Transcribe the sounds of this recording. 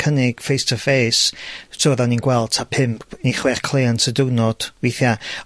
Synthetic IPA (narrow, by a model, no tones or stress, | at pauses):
kʰənɪɡ̥fejstʰəfejstʰoːðaninɡwɛlˠd̥̚tʰapʰɪmpʰniχwɛrkʰlˠejantʰədʊwnɔd̥weθja